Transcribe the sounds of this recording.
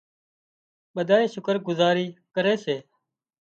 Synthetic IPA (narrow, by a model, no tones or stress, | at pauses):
ɓəd̪ʱaːẽːʃʊkəɾɡʊzaːɾiːkəɾeːseː